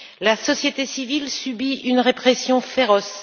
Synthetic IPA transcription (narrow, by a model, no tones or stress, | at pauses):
lasɔsjet̪esivilsybiynʁepχɛsjɔ̃feʁɔs